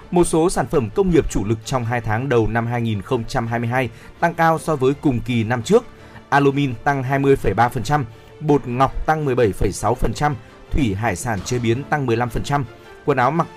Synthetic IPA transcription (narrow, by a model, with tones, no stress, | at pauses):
mo˨˩t̚so˨˦saː˧˩nfə˧˩mkə˧wŋ͡mŋi˨˩əp̚t͡ɕu˧˩lɨ˨˩k̚t͡ɕɔ˧wŋ͡mɦaː˧jt̪ʰaː˨˦ŋɗə˨˩wna˧mɦaː˧jŋi˨˩nxə˧wŋ͡mt͡ɕa˧mɦaː˧jmɨ˧jɦaː˧j | t̪a˧ŋkaː˧wsɔ˧vəː˨˦jkʊ˨˩ŋ͡mki˨˩na˧mt͡ɕɨ˦˥ək̚ | ʔaː˧lo˧mi˧nt̪a˧ŋɦaː˧jmɨ˧əjfə˧˩jɓaː˧fə˨˩nt͡ɕa˧m | ɓo˨˩t̚ŋa˨˩wk͡p̚t̪a˧ŋmɨ˨˩əjɓə˧˩jfə˧˩jsa˨˦wfə˨˩nt͡ɕa˧m | t̪ʰwi˧˩ɦaː˧˩jsaː˧˩nt͡ɕe˨˦ɓi˨˦ənt̪a˧ŋmɨ˨˩əjla˧mfə˨˩nt͡ɕa˧m | kə˧nʔaː˨˦wma˨˩t̚